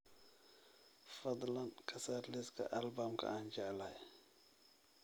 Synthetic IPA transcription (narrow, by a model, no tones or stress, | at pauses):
fɐd̪lankʰɐsaɾlɛskɐ̰ʔalbamkʰa̰and͡ʒalaj